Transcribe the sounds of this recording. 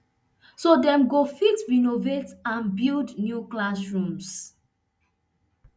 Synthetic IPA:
sodɛ̃mɡofitɹinovetãnbildnjuklasɹũms

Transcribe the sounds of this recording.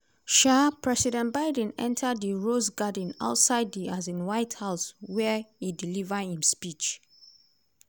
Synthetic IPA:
ʃapʰɹɛsidɛ̃ntbaɪdə̃nɛ̰̃ntʰədəɹosɡad̃na̰ʊtsaɪdiazĩnwaɪthaʊswɛhidilivəhĩnspit͡ʃ

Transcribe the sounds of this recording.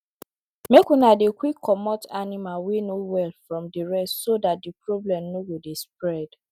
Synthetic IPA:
mekunadekwikʰːɔmɔtʰanimalwenowɛlfɹɔ̃mdiɹɛstsodat̚dipɹɔblɛ̃mnoɡodespɹɛd̥

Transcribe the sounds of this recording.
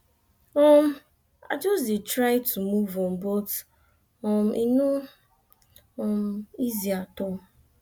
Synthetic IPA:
ɔm̩ | a̰d͡ʒɔsditɾaɪtʰumuvɔm̩bot | ɔm̩ʔinu | ɔm̩iziatɔ

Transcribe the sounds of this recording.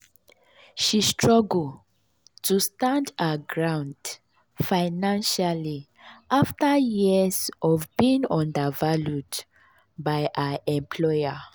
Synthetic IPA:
ʃistʰɹɔɡl̩ | tʰustãndaɡɹãʊ̃nd | faɪnãnʃali | ʔaftajisɔvbĩŋɔ̃ndəvalud | baɪʔaɛ̃mpʰlɔɪa

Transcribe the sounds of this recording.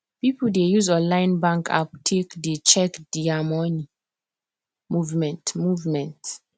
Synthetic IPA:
pipudejuzɔ̃lãɪ̃nbãŋkʰa̰p̚tʰekdet͡ʃɛkd̥iamɔni | muvmɛ̃ntmuvmɛ̃nt

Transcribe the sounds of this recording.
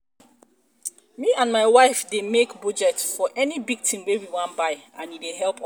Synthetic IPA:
miãnmaɪwaɪfdemekbud͡ʒɛtfɔʔɛnibiɡ̚tʰĩmwewiwãnbaɪãnideɦɛlˠp

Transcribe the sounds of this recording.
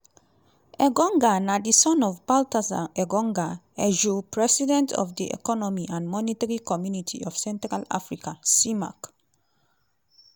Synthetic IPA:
ɛɡɔ̃ŋɡanadisɔ̃nɔvbaltasa̰ɛɡɔ̃ŋɡa | ɛʒupʰɹɛsidɛ̃ntʰɔ̰vdiʔɛ̰kɔnɔmiʔãnmɔnitaɹikɔmjunitʰḭɔvsɛ̃ntɾala̰fɹikasima̰k

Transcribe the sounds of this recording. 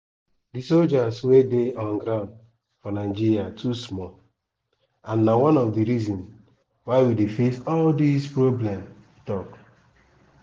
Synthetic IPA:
disold͡ʒaswedeʔɔ̃nɡɾãʊ̃nd | fɔnaɪd͡ʒiɾiatʰusmɔ | ãnːawɔ̃nɔfdiɾizɔ̃ns | waɪwidefesɔldispɹoblɛ̃mtutɔk

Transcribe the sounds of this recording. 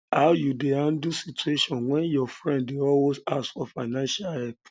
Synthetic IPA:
aʊjudeãndusitueʃɔ̃nwɛ̃njɔfɾɛ̃ndiɔwesasfɔfaɪnãnʃalɛk̚

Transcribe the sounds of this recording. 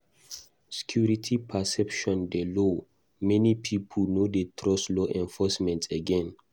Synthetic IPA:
sɛ̥kʰjuɹitʰipʰɛsɛpʃɔ̃ndelo | mɛnipʰipʰɔlnodetʰɹɔslɔʔɛ̃nfɔsmɛ̃ntʰeɡɛ̃n

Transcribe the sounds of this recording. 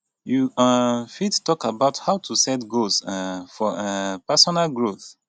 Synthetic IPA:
ju | fittɔkabaʊthaʊtʰusɛtɡosɛfɔɛpɛsɔnalɡɹoθ

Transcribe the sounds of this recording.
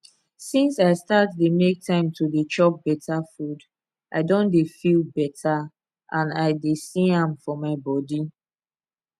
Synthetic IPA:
sĩnsaɪstatdemek̚tʰãɪ̃mtʰudet͡ʃɔp̚bɛtʰafud | ʔaɪdõndefilˠbɛtʰa | ʔãnaɪdesiãmfɔmaɪbɔdi

